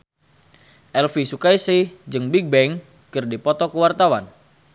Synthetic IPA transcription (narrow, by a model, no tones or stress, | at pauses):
ʔɛlfisukaisid͡ʒɨŋbiɡ̚bɛŋ | kɨrdipɔt̪ɔkəwart̪awan